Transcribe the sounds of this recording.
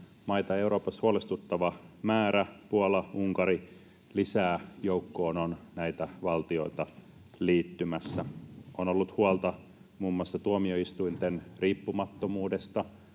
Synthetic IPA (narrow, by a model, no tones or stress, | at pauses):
mɑjt̪ɑeuɾo̞ːpɑshuolest̪ut̪ːɑʋɑmæːɾæpuolɑuŋkɑɾi | lisæːjoukːoːnonnæit̪æʋɑlt̪io̞it̪ɑ | liːt̪ːymæsːæonolːut̪huolt̪ɑ | muːmːoɑsːɑt̪uomioist̪uint̪enriːpːumɑt̪ːomuːde̞st̪ɑ